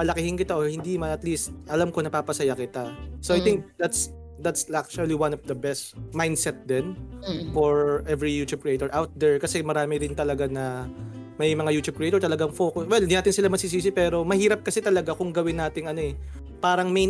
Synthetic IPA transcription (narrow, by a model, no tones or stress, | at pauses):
mɐlɐkɪhɪnkɪt̪aʔohɪnd̪imɐnɐt̪list̪̚ʔɐlamko̞nɐpaːpɐsɐjakɪt̪asoʔɐajt̪ɪŋk̚d̪at̪s | d̪at̪sak̚t͡ʃuɐliwanɔvd̪ɐbɛst̪majnd̪sɛt̪̚d̪ɛnfɔɹʔɛvɹijuːt͡ʃ̪ub̚kɹɪejt̪ɔɹʔawt̪̚d̪ɛɹkɐsɛmɐɾaːmɪɾɪnt̪ɐlɐɡanɐmɐjmɐŋajuːt͡ʃ̪ub̚kɾɪejt̪ɔɹt̪ɐlɐɡaŋfo̞ːkʊswɛlɪnd̪inaːt̪ɪnsɪlamɐsɪs̬iːsɪpɛːɾo̞mɐhiːɾɐp̚kɐsɛt̪ɐlɐɡakʊŋɡɐwɪnːaːt̪ɪŋɐno̞ɛ | paːɾɐŋmɛj